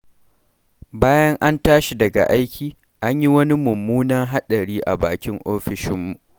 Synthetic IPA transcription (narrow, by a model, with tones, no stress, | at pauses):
baː˦jɐ˦ŋʔa˦ntaː˦ʃi˨dɐ˨ɡa̰˨ʔa˦jkʲiː˨ | ʔa˦ɲji˦wɐ˦ni˦mʊ˨mːuː˦nɐ˦ŋɦa˦ɗɐ˨ɽiː˦ʔa̰˨baː˨kʲɪ˦ŋʔoː˦ɸɪ˨ʃɪ˦mːu˨ʔ